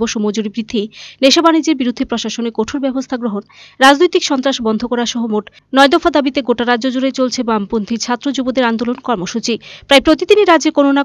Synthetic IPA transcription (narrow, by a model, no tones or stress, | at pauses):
boʃomod͡ʑuɾibɾid̪ʱːijneʃabanid͡ʑeɾbiɾud̪ʱːepɾoʃaʃonekoʈʰoɾbɛbost̪ʰaɡɾoɦonɾad͡ʑnojt̪ikʃɔnt̪ɾaʃbɔnd̪ʱokɔɾaʃɔɦomoʈ | nɔed̪ofʰad̪abit̪eɡoʈaɾad͡ʑod͡ʑuɾet͡ɕolt͡ɕʰebampont̪ʰiɾt͡ɕʰat̪ːɾod͡ʑubod̪eɾand̪olonkɔɾmoʃut͡ɕipɾajpɾot̪id̪iniɾad͡ʑeɾkonona